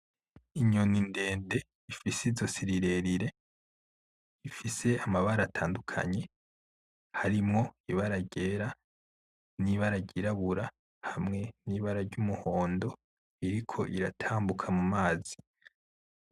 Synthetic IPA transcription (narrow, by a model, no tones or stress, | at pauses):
iɲoninde̞ːnde̞ | ifisizo̞siɾiɾe̞ɾiɾe̞ | ifise̞amaβaɾatʰaːndukʰa̰ɲe̞ | haɾimŋo̞iβaɾaɟe̞ːɾa | niβaɾaɟiɾaβuɾa | hamŋe̞niːβaɾaɾɟumuho̞ːndo̞ | iɾikʰo̞ʔiɾatʰaːmbukʰamumaːzi